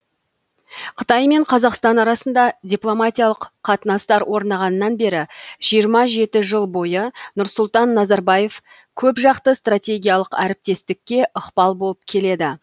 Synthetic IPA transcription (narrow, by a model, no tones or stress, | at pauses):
qʰət̪ɑjme̞ɴqʰɑzɑqst̪ɑnɑɾɑsənd̪ɑdʲiplˠo̞mat̪ʲijɑlˠəqʰːɑt̪ənɑst̪ɑɾwʔo̞ɾnɑʁɑnəːɑnbe̞ɾɪʒ̥ijəɾmɑʒe̞t̪ɪʒəlˠbo̞jənʊɾsʊlˠt̪ɑnːɑzɑɾbɑje̞f | kʲʰɵpʒɑqt̪əst̪rat̪ʲe̞ɡʲijalˠəqæɾɪp̚t̪e̞st̪ɪkʲːe̞ʔʊqpɑlˠbo̞lˠəp̚kʲʰe̞le̞d̪ɪ